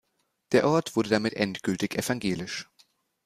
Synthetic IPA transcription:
d̥eːɐʔɔɐtv̥ʊɐdədamɪtʔɛ̰ntɡ̥ʏltɪçʔɛfaŋɡeːlɪʃ

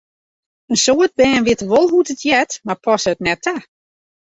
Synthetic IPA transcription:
ənsoət̚bɛːnʋɪətəʋolˠɦutətʰjɛtmarpʰɔsəətnɛtʰa

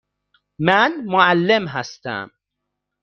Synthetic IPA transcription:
mænmoʕalːemɦæst̪æ̰m

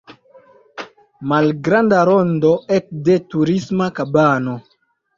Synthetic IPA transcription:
malɡɾandaɾondo̞ʔetde̞tuɾismakabano̞

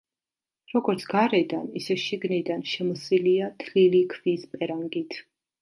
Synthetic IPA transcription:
ɾɔɡɔɾt̪sʰɡaɾɛd̪anisɛʃiɡnid̪anʃɛmɔsiliat̪ʰlilikʰvispʼɛɾaŋɡit̪ʰ

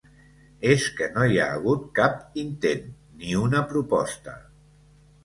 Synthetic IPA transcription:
eskənojaːɣ̞ut̪̚kapint̪enː | iunəpɾupɔst̪ə̰

